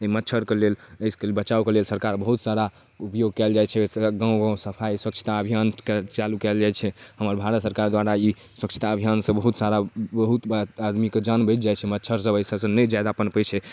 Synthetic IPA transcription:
əimət̪ːt͡ʃʰəɾkeleləjskebət͡ʃaukelelsəɾkaɾbəɦut̪saɾa | upjoɡ̚kɛld͡ʒajt͡ʃʰɛɡãw̃ɡãsəpʰaiswəkt͡ʃʰə̥t̪aəbʱijankt͡ʃalukɛld͡ʒajt͡ʃʰɛɦəməɾbʱaɾət̪səɾkaɾd̪waɾai | swəkt͡ʃʰi̥t̪aəbʱijansə̃bəɦut̪saɾabəɦut̪ad̪miked͡ʒanbəjt̪̚d͡ʒajt͡ʃʰɛmət̪ːt͡ʃʰəɾsəbəisəbsə̃nəd͡ʒajd̪apənpət͡ʃʰɛ

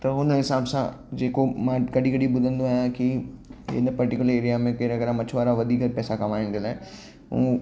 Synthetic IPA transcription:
t̪ɐɦʊnɪsaːbsã̰d͡ʒeːkomãkɐɖʱikɐɽibʊd̪ʱə̃nd̪oaːjãkiɪ̰npɐɾʈɪkʲjʊləɾeːɾijamẽkeɾɐɡəɾãmɐt͡ʃʰʋaːɾaʋɐd̪ʱiːkəɾpɛːsakɐmaːɪ̃nd̪ɪlaɛ | ṵ̃ː

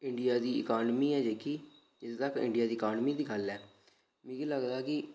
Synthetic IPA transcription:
ɪɳɖɪjaːd̪iːɪkaːnmiːɛːd͡ʒeːkiː | ɪst̪əkɪ̰̃ɳɖɪjaːd̪iːəkaːnmiːd̪iːɡəlɛː | mĩːkiːləɡd̪aːkɪ

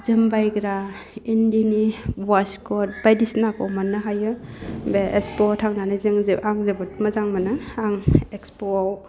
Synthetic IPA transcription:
zɯmbajɡɾa | indinibaskɔt̚bajdisnakɔmanːaɦajɯbeʔekspɔtʰaŋnanazɯŋzʔaŋzebɯtmazaŋmanɯaŋekspoaw

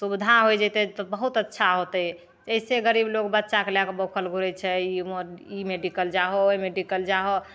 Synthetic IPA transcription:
subd̪ʱaɦojd͡ʒɛt̪ɛt̪ɔbəɦut̪ətːʃʰaɦot̪ə | əiseɡəɾiblokbətːʃakelakebokʰəlɡʱuɾɛt͡ʃʰɛioimeɖikəld͡ʒaɦomeɖikəld͡ʒaɦo

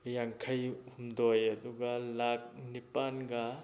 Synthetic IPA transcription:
jaŋkʰɐjhumdɔjɐduɡɐlak̚nipanɡɐ

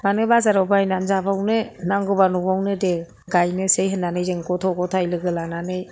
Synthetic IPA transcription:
manɯbazaɾɔbajnanzabawnɯnaŋɡɯbanubawnɯde | ɡajnɯsejɦɯnːanɯjzɯŋkɔtʰɔɡɔtʰajlɯɡɯlananɯj

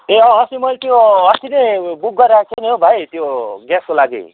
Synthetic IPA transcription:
eʌ̃ʌsimʌjlt̪joʌsinebuk̚ɡʌɾat͡sʰʌneobʱajt̪joɡɛskolaɡḛ

